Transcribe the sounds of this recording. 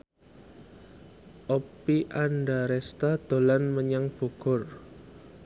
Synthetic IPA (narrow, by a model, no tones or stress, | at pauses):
ʔopiʔanɖaɾɛst̪ad̪̥o̤lanməɲaŋb̥o̤ɡ̥ɔ̤r